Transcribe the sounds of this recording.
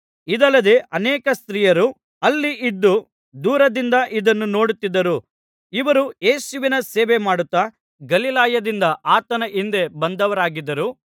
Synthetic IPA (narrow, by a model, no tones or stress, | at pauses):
id̪ɐlːɐd̪e̞ʔɐnɛːkɐst̪ɾiːjɐɾu | ɐlːiʔid̪ːu | d̪uːɾɐd̪ind̪ɐʔid̪ɐnːuno̞ːɽut̪ːid̪ːɐɾu | iʋɐɾujeːsuʋinɐseːʋemaːɽut̪ːa | ɡɐlilaːjɐd̪ind̪ɐʔaːt̪ɐnɐʔind̪e̞bɐnd̪ɐʋɐɾaːɡid̪ːɐɾu